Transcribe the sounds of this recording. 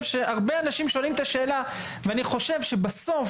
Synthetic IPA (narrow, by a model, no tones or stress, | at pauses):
vʃe̞ʔaʁbeanaʃimʃo̞nimt̪aʃe̞ːla | veaniχo̞ʃe̞vʃe̞baso̞f